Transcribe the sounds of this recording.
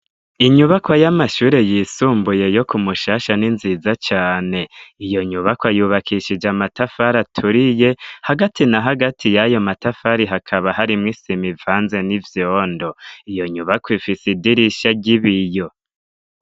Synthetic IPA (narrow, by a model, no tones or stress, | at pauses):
iɲuβakwajamaʃuːɾe̞jiːsuːmbuje̞jo̞kumuʃaːʃaninziːzat͡ʃaːne̞ijo̞ɲuβakwajuːβakʰiʃid͡ʒamatafaɾatʰuɾije̞haɡatinaɦaɡatʰijajo̞matafaɾiɦakʰaβaɦaɾimŋisimivaːnze̞nivjoːndo̞ijo̞ɲuβakwifisidiɾiʃaɟiβijo̞